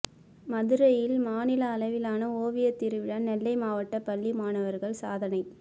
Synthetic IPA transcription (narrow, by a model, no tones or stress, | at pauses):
mɐðɯɾɐjɪlmaːnɪlɐːlɐʋɪlaːnɐoːʋɪjɐt̪ːɪɾɯʋɪɽɐnɛlːɐɪmaːʋɐʈːɐpɐɭːimaːnɐʋɐɾɣɐɭsa̰ːðɐnɐɪ